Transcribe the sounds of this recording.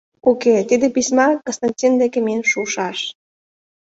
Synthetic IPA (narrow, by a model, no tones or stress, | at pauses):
uket̪id̪epismɑkonst̪anʲtʲind̪ekemenʃuʃɑʃ